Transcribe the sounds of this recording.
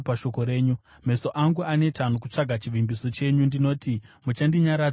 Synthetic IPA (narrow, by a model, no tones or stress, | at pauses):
paʃo̞ko̞ɾe̞ːɲu | me̞so̞ʔaŋɡuane̞tanokut͡ʂaɡʱat͡ʃiʋimbiso̞t͡ʃe̞ɲundino̞ːtimut͡ʃandiɲaɾa